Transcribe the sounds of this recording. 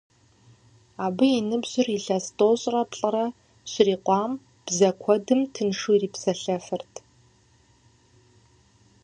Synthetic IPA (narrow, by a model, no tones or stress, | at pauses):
aːbɨjinɨbʑ̥ɪriɬɐstʼoːɕʼrɐpɬʼɨrɐ | ɕɪriːqʷʼɑːm | b̥zɐkʷʰɔdɨmtʰɨnʂuːriːpsɐɬɐfɨrtʰ